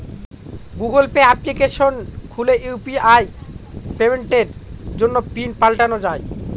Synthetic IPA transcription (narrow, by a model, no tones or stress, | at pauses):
ɡuɡolpeaplikeʃonkʰuleʔupiajpemeɳʈeɾd͡ʑonːopinpalʈanod͡ʑaj